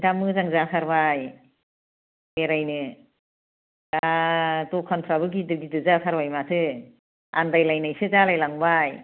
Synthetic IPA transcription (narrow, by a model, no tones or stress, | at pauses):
damɯzaŋzakʰaɾbaj | eɾajnɯ | datɔkʰɔnpʰɾabɯɡidɯɡidɯzasʰaɾbajmatʰɯ | a̰ndajlajnajsɯzalajlaŋbaj